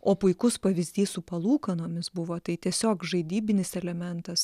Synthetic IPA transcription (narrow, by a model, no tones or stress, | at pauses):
oːpʊɪkʊspɐʋʲɪzʲd̪ʲiːssʊpɐlˠuːkɐnoːmʲɪsbʊʋoːt̪ɐɪt̪ʲiɛsʲoːkʒɐɪd̪ʲiːbʲɪnʲɪsɛlʲɛmʲɛnt̪ɐs